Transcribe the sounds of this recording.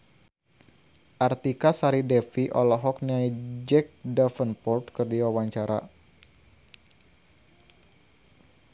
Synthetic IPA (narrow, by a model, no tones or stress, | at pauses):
ʔart̪ikasaɾidɛfiʔɔ̰lɔɦɔk̚niaid͡ʒɛk̚dafənpɔrt̪kɨrdiwawaɲt͡ʃaɾa̰